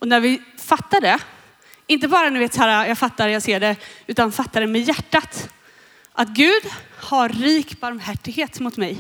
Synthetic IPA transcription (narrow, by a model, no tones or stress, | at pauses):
ʔɔnæɾvɪfat̪ːaɖɛ | ɪnt̪̬əbɑːɾanɵveːt̪sæːɾajɑɡfat̪ːaɾjaseːɖɛʉ̟ːt̪anfat̪ːaɾɛmɛjæʈːat̪ | ʔat̪̚ɡʉ̟ːd̪haɾːiːkbaɾmhæʈːɪɡheːt̪mʊt̪mɛj